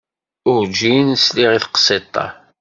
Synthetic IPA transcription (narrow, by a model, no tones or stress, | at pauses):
ʊɾd͡ʒinsliʁiθqə̥sˤet̪ˤːɑ̰